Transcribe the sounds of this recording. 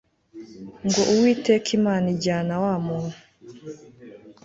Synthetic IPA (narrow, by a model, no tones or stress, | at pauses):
ŋɡo̞ʔuwiːtekʰimaːniɟaːnawaːmuːnu